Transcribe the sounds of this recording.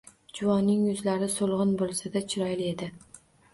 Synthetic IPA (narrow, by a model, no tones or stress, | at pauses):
d͡ʒʊwɒnːɪŋjʊzlaɾɪsolˠʁɨnbolˠsad̪at͡ʃʰɪɾɒjle̞d̪ɪ